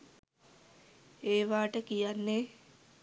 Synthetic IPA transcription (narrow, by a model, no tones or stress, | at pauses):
eːʋaːʈəkijanːe